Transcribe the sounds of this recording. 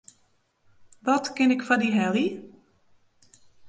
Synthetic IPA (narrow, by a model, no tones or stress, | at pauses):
ʋɔtkɪnɪkfɔndiɦɛlˠi